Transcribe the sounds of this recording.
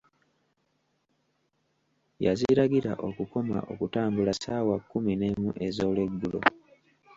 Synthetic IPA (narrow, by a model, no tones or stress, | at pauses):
jaziɾaɡiɾaʔo̞kuko̞ma̰ʔo̞̰kutaːmbulasaːwakːuminemuʔe̞zo̞ːle̞ɡːulo̰